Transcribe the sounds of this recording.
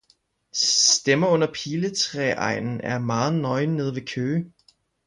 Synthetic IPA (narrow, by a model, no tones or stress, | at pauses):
d̥emɐɔ̽n̰ɐpʰiːlət͡sʰʁɛʔɑ̈ɪ̰nn̩æɐmɑ̈ːð̩ˠnɒ̽ɪne̝ð̞ˠʋe̝kʰøː